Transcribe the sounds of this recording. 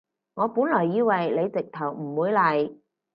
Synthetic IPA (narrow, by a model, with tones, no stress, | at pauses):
ŋɔː˨˧puː˨˥nlɔː˨˩jːiː˧wɐ˨˩jle˨˧jt͡sɪ˨k̚t̪ʰɐ˨˩wm̩˨˩wuː˨˧˥jlaː˨˩j